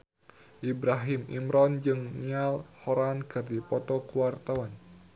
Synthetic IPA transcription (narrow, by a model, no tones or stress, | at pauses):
ʔibɾaɦimḭmɾɔnd͡ʒɨŋnialhɔɾankɨrd̪ipɔt̪ɔkuwart̪awan